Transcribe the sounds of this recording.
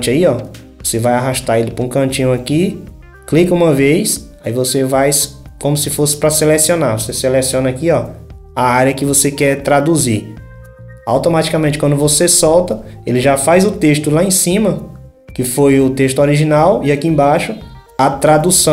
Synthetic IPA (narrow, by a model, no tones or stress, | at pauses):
t͡ʃɪaiɔvosevajaɦaʃt̪aelɪpɾɐũkɐ̃t͡ʃĩɲʊaki | klikɐũmɐvejs | aivosevajskõmʊsɪfosɪ̥pɾɐselɛsionavoseselɛsiõnɐakiɔ | aaɾjɐkɪvosekɛt̪ɾad̪uzi | a̰wt̪õmat͡ʃi̥kamẽnt͡ʃɪkwɐ̃nd̪ʊvosesɔwt̪ɐelɪʒafajzʊt̪eʃt̪ʊlaẽsĩmɐ | kɪfojʊt̪eʃt̪ʊɔɾiʒĩnawɪakiẽbaʃʊɐt̪ɾad̪usɐ̃